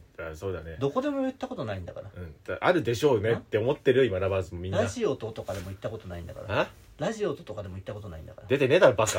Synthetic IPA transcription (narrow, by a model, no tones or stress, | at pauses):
aso̞ːd̪ane̞d̪o̞ko̞d̪e̞mojɯ̟t̪ːako̞t̪o̞naĩnd̪akaɾaɯ̟̃t̪aʔaɾɯ̟d̪e̞ɕo̞ːne̞t̪ːe̞o̞mo̞t̪ːe̞ɾɯimaɾabasɨmomʲĩnɾaːaʑio̞t̪o̞t̪o̞kad̪e̞mo̞it̪ːako̞t̪o̞naĩnd̪a̰ka̰ɾa | ɾaʑio̞t̪ot̪o̞kad̪e̞mo̞it̪ːako̞t̪onaḭ̃nd̪a̰kaɾad̪e̞t̪e̞ne̞d̪abaka